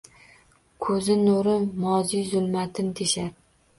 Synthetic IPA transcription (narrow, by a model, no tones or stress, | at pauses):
kʰɵzɪnoɾɪnmɒzijzʊlˠmat̪ʰɪnt̪ʰeʃaɾ